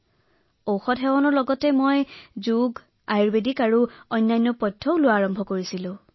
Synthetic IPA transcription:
owxɔtɦɛwɔnɔɹlɔɡɔtɛmojzuɡ | ajɹbedikaɹuɔjnːajnːɔpɔjtʰːɔʊlʊwaːɹɔmbʱɔkoɹisilʊ̃

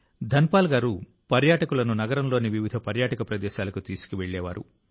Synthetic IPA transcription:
d̪ʱɐnpaːlɡaːɾu | pɐɾjaːʈɐkulɐnunɐɡɐɾɐmlo̞ːniʋiʋid̪ʱɐpɐɾjaːʈɐkɐpɾɐd̪ɛːʃaːlɐkut̪iːsu̥kiʋeɭːɛːʋaːɾṵ

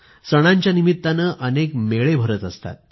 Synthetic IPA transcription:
səɽ̃aɲt͡ɕjanimit̪ːanəʔənekmeɭebʱəɾət̪əst̪a̰t̪̚

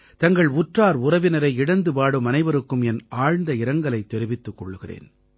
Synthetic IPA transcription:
t̪ɐŋɡɐɭʊʈraːɾʊrɐʋɪnɐɾɐɪɪɽɐnd̪ɯpaːɽɯmɐnɐɪʋɐɾɯkːɯmɛnaːɻnd̪ɐɪɾɐŋɡɐɭɐɪt̪ːɛɾɯʋɪt̪ːɯkːɔɭːɯɣɪrḛːn

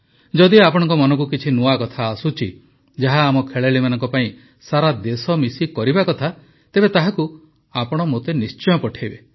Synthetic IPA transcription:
d͡ʒɔd̪iapɔɽ̃ɔ̃ŋkɔmɔnɔ̃ŋk̬ukit͡ʃʰinuakɔt̪ʰaːsut͡ʃʰi | d͡ʒaɦaːmɔkʰeɭeɭimanɔŋkɔpaĩ | saɾad̪esɔmisikɔɾibakɔt̪ʰa | t̪ebet̪aɦaku | apɔɽ̃ɔmot̪enist͡ʃɔjɔ̃pɔʈʰajbe

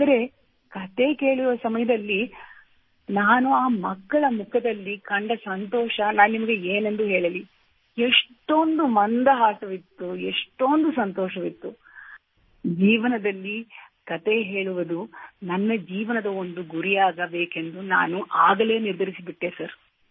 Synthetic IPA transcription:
ad̪ɐɾe̞ | kɐt̪e̞ke̞ːɭuʋɐsɐmɐjɐd̪ɐlːi | naːnuaːmɐkːɐɭɐmukʰɐd̪ɐlːikɐɳɖɐsɐnt̪ɔːʃɐnaːnunimɐɡe̞eːnend̪uɦeːɭɐli | eʂʈo̞nd̪umɐnd̪ɐɦaːsɐʋit̪ːueʂʈo̞nd̪usɐnt̪ɔːʃɐʋit̪ːu | d͡ʒiːʋɐnɐd̪ɐlːikɐt̪eɦe̞ːɭuʋɐd̪unɐnːɐd͡ʒiːʋɐnɐd̪ɐond̪uɡuɾijaːɡɐbeːke̞nd̪una̰ːnuʔaːɡɐle̞ːniɾd̪ʱɐɾisibiʈːesɐɾ

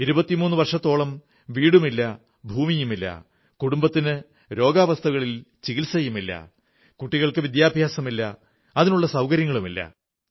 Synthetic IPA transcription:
iɾubɐt̪ːimuːnːuʋɐrʂɐt̪ːo̞ːɭɐm | ʋiːɽumilːɐ | bʱuːmijumilːɐ̰ | kuɽumbɐt̪ːinɨ | ɾo̞ːɡaːʋɐst̪ʰɐɣɐɭilt͡ɕiɣilsɐjumilːɐ̰ | kuʈːiɣɐɭkɨʋid̪jaːbʱjaːsɐmilːɐ | ɐðinuɭːɐsɐwkɐɾjɐŋːɐɭumilːɐ̰

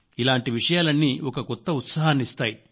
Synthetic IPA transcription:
ilaːɳʈiʋiʂɐjaːlɐnːiːɔkɐkɔt̪ːɐut̪saːɦanist̪aːji

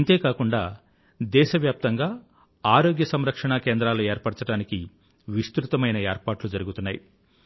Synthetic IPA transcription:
nt̪e̞ːkaːkuɳɖaː | d̪ɛːʃɐʋjaːp̚t̪ɐŋɡaː | aːɾoːɡjɐsɐmɾɐkʂɐɳaːkeːnd̪ɾaːlueːɾpɐɽt͡ʃɐɽaːniki | ʋist̪ɾut̪ɐmɐjnɐeːɾpaːʈlud͡ʒɐɾuɡut̪unːaːji

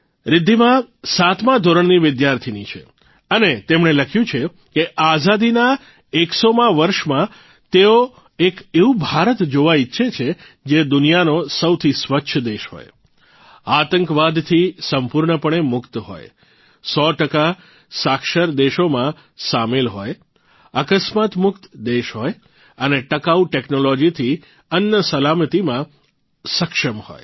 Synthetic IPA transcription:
ɾɪd̪ʱːimãsat̪ʰmãd̪ʱoɾəɳniʋɪd̪jaɾt̪ʰinit͡ʃʰḛ | ənet̪emɳeləkʰjũt͡ʃʰe | keʔazad̪ina | eksomãʋəɾʃmã | t̪eo | ekeubʱaɾət̪d͡ʒoʋaitːʃʰet͡ʃʰe | d͡ʒed̪ʊnijanosəwt̪ʰisʋətːʃʰəd̪eʃɦo̰j | at̪əŋkʋad̪t̪ʰisəmpuɾɳəpəɳ̃emʊkt̪ɦo̰j | sɔʈəka | sakʃəɾd̪eʃomã | samelɦoj | əkəsmat̪mʊkt̪d̪eʃɦoj | əneʈəkauʈeknolod͡ʒit̪ʰi | ənjəsəlamət̪imã | səkʃəmho̰j

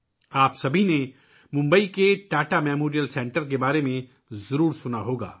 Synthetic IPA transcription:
aːpsɐbʱine | mʊ̃mbəikeʈaːʈamɛːmoːɾijəlsɛ̃ːɳʈəɾkebaːɾemẽ | zɐɾuːɾsʊnaɦoːɡa̰ː

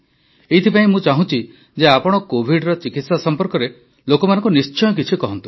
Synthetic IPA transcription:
et̪ʰipaĩmũt͡ʃaɦũt͡ʃʰi | d͡ʒeapɔɽ̃ɔkobʱiɽɾɔt͡ʃikit̪sasɔmpɔɾkɔɾe | lokɔmanɔ̃ŋkunist͡ʃɔjɔk̬it͡ʃʰikɔɦɔnt̪u

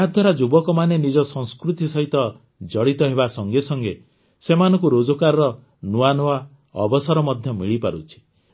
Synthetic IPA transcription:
ɦad̪ʱwaɾad͡ʒubɔkɔmanenid͡ʒɔsɔ̃ŋskɾut̪isɔɦit̪ɔ | d͡ʒɔɽit̪ɔɦebasɔŋɡesɔŋɡe | semanɔ̃ŋkuɾod͡ʒɔkaɾɔɾɔ | nuanɔwa | ɔbɔsɔɾɔmɔd̪ʱjɔmiɭipaɾṵt͡ʃʰi̥

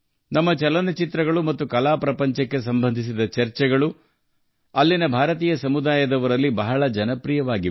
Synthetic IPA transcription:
nɐmːɐt͡ʃɐlɐnɐt͡ʃit̪ɾɐɡɐɭumɐt̪ːukɐlaːpɾɐpɐɲt͡ʃɐkːe̞sɐmbʱɐnd̪ʱis̬id̪ɐt͡ʃɐɾt͡ʃɛɡɐɭu | ɐlːinɐbʱaːɾɐt̪iːjɐsɐmud̪aːjɐd̪ɐʋɐɾɐlːibɐɦɐɭɐd͡ʒɐnɐpɾijɐʋaːɡi

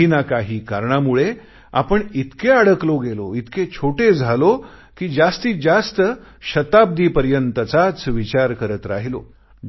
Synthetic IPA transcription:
inakaɦiːkaɾɳamuɭe | a̰pəɳit̪keaɽəkloɡeloit̪ket͡ɕʰoʈed͡zʱalo | kiːd͡zast̪iːd͡zast̪ə | ɕət̪ab̚d̪ʱiːpəɾjənt̪ət͡sat͡sʋit͡ɕaɾkəɾət̪ɾa̰ɦilo̰

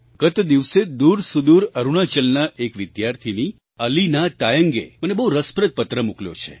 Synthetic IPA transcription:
ɡət̪d̪iʋsed̪uɾsud̪uɾəɾuɽ̃at͡ʃəlnaʔekʋɪd̪jaɾt̪ʰini | əlinat̪ajəŋɡḛmənebəɦũɾəspɾət̪̚pət̪ɾəmukljo̰t͡ʃʰḛ

